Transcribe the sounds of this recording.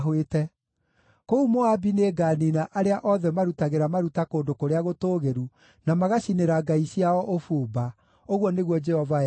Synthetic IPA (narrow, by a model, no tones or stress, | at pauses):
ɦwetɛ | koumoabineɡaːninaʔaɾeaʔɔðɛmaɾutaɣeɾamaɾutakoːndokoɾeaɣotoːɣeɾu | namaɣaɕineɾaɡaiɕiaɔʔofoːba | oɣwɔneɣwɔd͡ʒɛhɔva